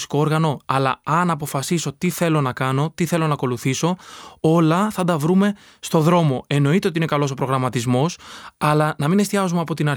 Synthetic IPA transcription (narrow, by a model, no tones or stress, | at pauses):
si̥kooɾɣɐno̞ɐlɐɐnɐpo̞fɐsiso̞t̪iθe̞lo̞nɐkɐno̞t̪iθe̞lo̞nɐko̞luθiso̞o̞lɐθɐd̪ɐvɾume̞ | st̪o̞ðɾo̞mo̞e̞no̞it̪eot̪iine̞kɐlo̞so̞pɾo̞ɣɾɐmɐt̪izmo̞sɐlɐnɐmine̞st̪iɐzumɐpo̞t̪inɐɾ